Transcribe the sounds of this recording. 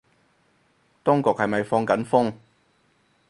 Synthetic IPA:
t̪ʊ˥ŋkɔː˨k̚hɐ˨jmɐ˨jfɔː˧ŋkɐ˨˥nfʊ˥ŋ

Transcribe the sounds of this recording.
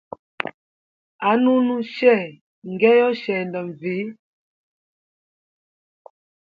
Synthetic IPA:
a˨˦nu˦nu˦ʃɛ˦˨ | ŋ˨ɡɛ˦jɔ˦ʃɛ˨ndə˨ɱ˨vi˨˦

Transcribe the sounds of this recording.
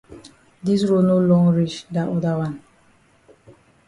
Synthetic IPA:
di˦s̬ɹo˦no˦lɔ̃˦ŋɹi˦t͡ʃda˨ʔɔ˦da˦wãn

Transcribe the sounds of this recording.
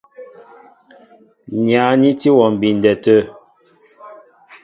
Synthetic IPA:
ɲja˨˦ni˦ti˦wɔ˨m̩˨bi˨n˨dɛ˨tə˦

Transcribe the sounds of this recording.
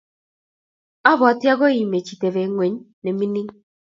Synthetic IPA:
a˦βʊ˨a˨tja˦ɣo˦ji˨me˨t͡ʃi˨te˨ve˨ŋʷwe˨ɲ˦ | ne˨mi˦ni˦ŋ

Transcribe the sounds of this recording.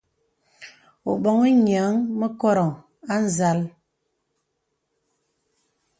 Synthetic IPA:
o˨ɓɔ˦ŋə˦ɲ˨a˨˦ŋmə˦kɔ˦ɾɔ˨ŋ | a˦n̩˦˨za˦l

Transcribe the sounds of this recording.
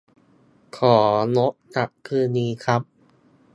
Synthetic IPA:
kʰɔː˩˦no˦˥ʔ̚t͡ɕa˨˩ʔkʰɯː˧nːiː˧kʰɾa˦˥p̚

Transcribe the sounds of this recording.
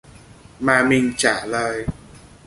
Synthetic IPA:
maː˧mi˧ŋt͡ɕaː˨˩˦lɤː˧j

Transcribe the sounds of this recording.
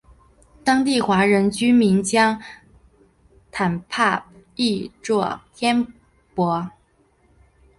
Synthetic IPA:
t̪ɑ˥ŋt̪i˥˩xwa˧˥ɻə˧˥nt͡ɕy˥mi˧˥nt͡ɕjɑ˥ŋ | t̪ʰa˨˩npʰa˥˩i˥˧ʈ͡ʂwɔ˥˩t̪ʰjɛ˥n | pwɔ˧˥

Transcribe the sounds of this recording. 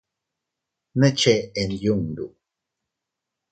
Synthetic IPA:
nə˦t͡ʃe˦˨e˨nju˦˨ŋdṵ˨

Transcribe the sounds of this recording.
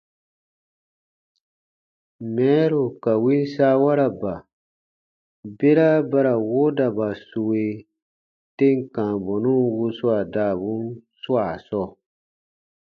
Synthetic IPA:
mɛ̃ː˨˦ɾo˨ka˨wi˦n˦saː˦wa˦ɾa˨ba˨ | be˦ɾa˦ba˦ɾa˨wo˦da˨ba˨su˧we˨ | te˦ŋ˨kãː˨bɔ˨nũ˦wu˧su˦a˨da˦˨βũ˦nsu˦a˨sɔ˦˨

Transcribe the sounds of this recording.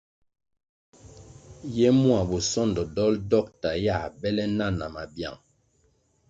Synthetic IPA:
jɛ˦mu˦a˨bu˨sɔ˦ndɔ˨dɔ˦ldɔ˦˨k̚ta˨ja˦˨bɛ˦lɛ˦na˦na˨ma˨bja̰˨ŋ

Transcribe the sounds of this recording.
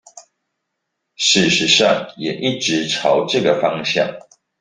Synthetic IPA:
ʂɻ̩˥˩ʂɻ̩˨˦ʂɑ˥˨ŋjɛ˨˩ʔi˥˩ʈ͡ʂɻ̩˨˦ʈ͡ʂʰɑ˨˦ʊʈ͡ʂɤ˥˨ɡə˩fɑ˦ŋɕja̰˥˨ŋ

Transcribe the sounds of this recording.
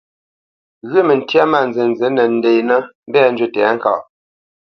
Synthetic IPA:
ɣʉ˦mə˨n̩˨tja˦ma˦˨n˨ze˨n˨ze˨˦nə˨n̩˨de˨jnə˦m̩˦bɛ˦a˦˨n˦d͡ʒwə˦tɛ˨a˨˦ŋ̩˨ka̰˨

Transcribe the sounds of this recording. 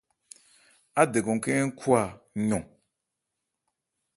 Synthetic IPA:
a˦de˨ɡɔ̃˨kɛ˦ŋ̩˦kʰu˦a˨ɲɔ̃˨

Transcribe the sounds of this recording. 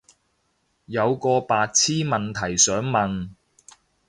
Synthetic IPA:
jɐ˨˧wkɔː˧paː˧t̚t͡sʰiː˥mɐ˨nt̪ʰɐ˨˩jsœː˨˥ŋmɐ˨n

